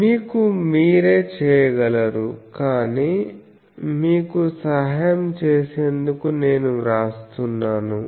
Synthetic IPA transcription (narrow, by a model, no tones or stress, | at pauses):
miːkumiːɾeːt͡ʃɛːjɐɡɐlɐɾukaːniː | miːkusɐɦɐjɐmt͡ʃeːseːnd̪ukune̞ːnuɾaːst̪unːaːnu